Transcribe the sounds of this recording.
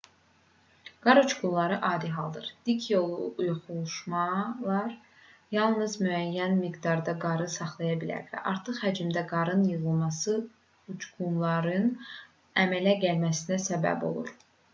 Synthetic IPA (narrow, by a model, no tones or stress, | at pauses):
ɡ̥ɑɾut͡ʃɡunlˠɑɾɯʔɑːd̪iɦɑlˠd̪ɯ̰ɾd̪̥ikʰjo̞lˠuujuχulˠuʃmɑlˠɑɾ | jɑlˠnɯzmyæjːænmiɡd̪ɑɾd̪ɑɡɑɾɯsɑχlˠɑjɑbilæ̰ɾvæ̰ʔɑɾt̪ʰɯχhæd͡ʒimd̪æɡɑɾɯnjɯʁɯlˠmɑsɯ | ut͡ʃɡunlˠɑɾɯn | æmælæɟælmæsinæsæbæ̰bo̞̰lˠṵɾ